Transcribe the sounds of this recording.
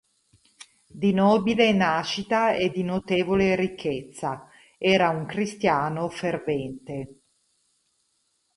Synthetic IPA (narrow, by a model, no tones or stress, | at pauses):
d̪inɔːbilenaːʃit̪aed̪inot̪eːvoleɾikʰːet̪sːa | ɛːɾauŋkɾist̪jaːnofervɛnt̪e